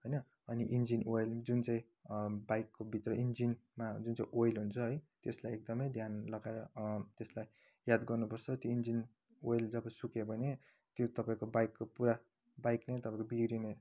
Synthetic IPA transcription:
ɦʌjnʌ | ʌniʔind͡zinojld͡zunt͡saĩ | bajkːobʱit̪rʌʔind͡zinmad͡zunt͡sa̰ĩʔojlɦunt͡sʰʌɦʌjt̪eslajek̚d̪ʌmʌjd̪ʱjanlʌɡaeɾʌt̪eslaj | jad̪ɡʌrnupʌrt͡sʰʌt̪joind͡zin | ojld͡zʌbʌsukebʱʌne | t̪jot̪ʌpaĩkobajkːopuɾa | bajknʌjt̪ʌpaĩkobiɡɾine

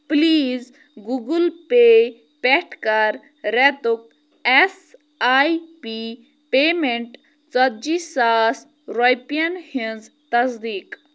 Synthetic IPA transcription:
pliːz | ɡuɡulpe | pɛʈkɐɾ | ɾɛt̪uk̚ | es | ajpi | peːmeɳʈ | t͡sɐt̪̚d͡ʒisaːs | ɾojpijɐnhĩnz | t̪ɐsd̪iːk

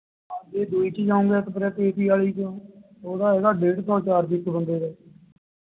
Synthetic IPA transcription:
aːd͡ʒeːd̪uːiːt͡ʃid͡ʒãːũŋɡeːt̪ːp̬əɾɛːt̪eːpiːaːliːt͡ʃõ | oːd̪aːeːɽaːɖeːʈt̪ɔːt͡ʃaːɾb̪ɪkːbə̃nd̪eːdɛː

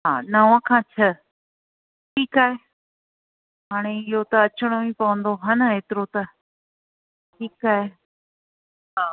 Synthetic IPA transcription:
ɦaːnɐʋãkʰãːt͡ɕʰɐ | ʈʰiːkaːɦe | ɦaːɽ̃eɪɦot̪ɐɐt͡ɕəɽ̃oĩpɐʋə̃nd̪oɦɐnəeːt̪ɪɾot̪ɐ | ʈʰiːkaːɦe | ɦaː

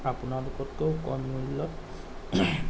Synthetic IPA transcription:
apunalʊkɔtkokɔnmmuilːɔt

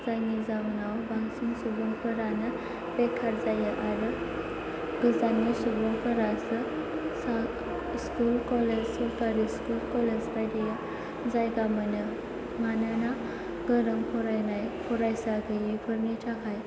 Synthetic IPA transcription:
d͡zaŋid͡zawnawbaŋsunsubəŋpʰəɾanə | bɛkʰaɾd͡zajəʔaɾə | ɡəzanːisubəŋpʰəɾasə | sa | skulkɔled͡ʑsɔlkaɾiskulkɔled͡zpajɽejə | d͡zajɡamənə | manana | ɡəɾəmkʰɔɾajnajkʰɔɾajsaɡəjekʰəɾniʈʰakʰaj

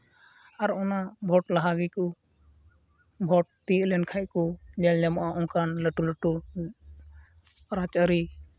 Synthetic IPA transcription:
aɾɔnabʱɔʈlaɦaɡikɔ | bʱɔʈ̚t̪ilɛnkʰajkud͡ʒɛld͡ʒamɔʔaʔɔŋkanləʈuləʈu | ɾat͡ʃəɾi

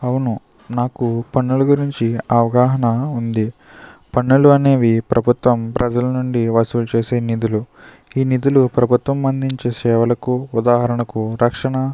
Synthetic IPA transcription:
ɐwunu | naːkupɐnːulɐɡuɾiɲt͡ʃiɐʋɐɡaːɦɐnɐund̪i | pɐɳːuluɐne̞ːʋipɾɐbʱut̪ʋɐmpɾʔɐd͡ʒɐlɐnuɳɖiʋɐsuːlut͡ʃeːseːnid̪ulu | iːnid̪ulupɾɐbʱut̪ʋɐmɐnd̪iɲt͡ʃesɛːʋɐlɐkuud̪aːɦɐɾɐɳɐkuɾɐkʂɐɳɐ

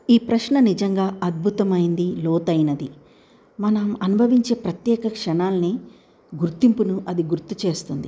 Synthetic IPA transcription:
iːpɾɐʃɳɐnid͡ʒɐŋɡaːʔɐd̪̚bʱut̪ɐmɐjind̪ilɔːt̪ɐjnɐd̪i | mɐnɐmɐnubʱɐʋiɲt͡ʃe̞ːpɾɐt̪jɛːkɐkʂɐɳaːlɐni | ɡuɾt̪impunuʔɐd̪iɡuɾt̪ut͡ʃe̞ːst̪und̪i

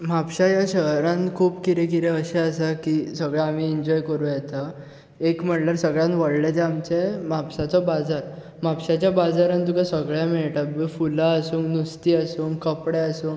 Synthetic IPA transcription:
m̤apɕajaɕəɦɾãnkʰuːpkiɾekiɾɛəɕɛəsakiːsəɡɭaam̤iɛɲd͡ʑɔjkəɾũjɛt̪a | ekm̤əʈlaɾsəɡɭjãnʋəɽlɛt̪ɛamt͡ɕemapsat͡sɔbad͡zaɾ | m̤apɕat͡ɕjabad͡zaɾant̪ukasəɡɭjãmeɭʈabəfulaəsuːŋɡnust̪iːasuːŋɡkəpɽɛəsuːŋ

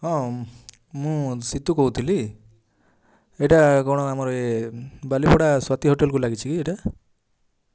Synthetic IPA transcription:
ɦɔ̃ | mũsit̪ukɔɦut̪ʰili | eʈakɔɽ̃ɔamɔɾɔebalipɔɽaswat̪iɦoʈelkulaɡit͡ʃʰikieʈa

